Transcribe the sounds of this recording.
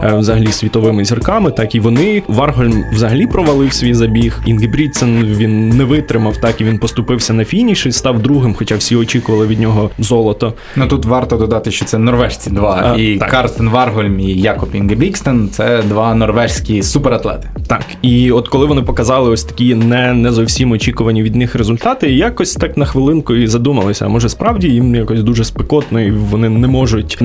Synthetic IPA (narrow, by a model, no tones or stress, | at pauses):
wzɐɦɐlʲisʲʋʲit̪ɔʋɪmɪzʲirkɑmɪt̪ɑkiʋɔnɪʋɑrɦɔlʲmwzɐɦɐlʲipɾɔʋɐlˠɪwsʲʋʲijzɐbʲixinɡebɾʲiksɛnʋʲinːɛʋɪt̪ɾɪmɐwt̪ɑkiʋʲinpɔst̪ʊpɪwsʲɐnɐfʲijnʲiʃɪst̪ɑwd̪ɾuɦɪmxɔt͡ʃɑwsʲiɔt͡ʃʲikʊʋɐlˠɪʋʲid̪̚ʲnʲɔɦɔzɔlˠɔt̪ɔ | nut̪ut̪ʋɑrt̪ɔd̪ɔd̪ɑt̪ɪʃt͡ʃɔt̪sɛnɔrʋɛʒt͡sʲid̪ʋɑiɑ̰kɑrst̪enʋɑrɦɔlʲmijakɔpinɡebʲikst̪ɛnt̪sɛd̪ʋɑnɔrʋɛʒsʲkʲisupeɾɐt̪lˠɛ̰t̪ɪ̥t̪ɑ̰kiɔt̪kɔlˠɪʋɔnɪpɔkɐzɑlˠɪɔsʲt̪ɐ̥kʲinɛnɛzɔwsʲimɔt͡ʃʲikʊʋɐnʲːiʋʲid̪nɪxɾezʊlʲt̪ɑt̪ɪjakɔsʲt̪ɑknɐxʋɪlˠɪnkʊizɐd̪umɐlˠɪsʲɐ̰ɐ̰mɔʒɛspɾɑwdʲijimjakɔsʲd̪uʒɛspekɔt̪nɔjʊʋɔnɪnɛmɔʒʊtʲ